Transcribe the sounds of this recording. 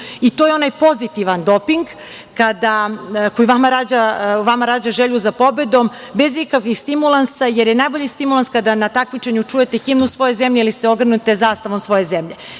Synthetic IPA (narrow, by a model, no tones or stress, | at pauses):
it̪o̞ːjeo̞najpo̞zit̪iʋand̪o̞piŋɡ | kad̪ako̞jiʋamaɾaːd͡ʑaʋamaɾaːd͡ʑaʒeʎuzapo̞be̞d̪o̞mbe̞zikakʋixst̪imulˠansaje̞ɾjenajbo̞ʎist̪imulˠanskad̪anat̪akmit͡ʃeɲut͡ʂuje̞t̪e̞ximnusʋo̞je̞zemʎeiliseo̞ɡɾr̩nut̪e̞zaːst̪aʋo̞msʋo̞je̞zemʎe̞